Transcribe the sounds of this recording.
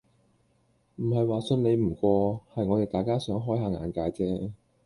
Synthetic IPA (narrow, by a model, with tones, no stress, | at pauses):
m̩˨˩ɦɐ˨jwaː˨sɵ˧nne˨˧jm̩˨˩kʷɔː˧hɐ˨jŋɔː˨˧t̪e˨˩t̪aː˨jkaː˥sœː˨˥ŋɦɔː˥jɦaː˨ŋa̰ː˨˧nkaː˨˧jt͡sɛː˥